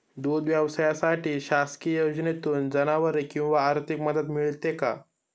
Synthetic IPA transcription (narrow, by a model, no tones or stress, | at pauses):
d̪ud̪ʋjaʋsajasaʈiːɕaskiəjod͡ʑnet̪uːnd͡zənaʋəɾekĩw̃ʋaːɾt̪ʰikməd̪ət̪miɭt̪eka̰